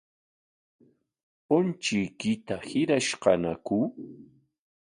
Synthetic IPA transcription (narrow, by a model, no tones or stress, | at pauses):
ʊnt͡ʃɪjkɪt̪ahɪɾaʃqɑnakʊ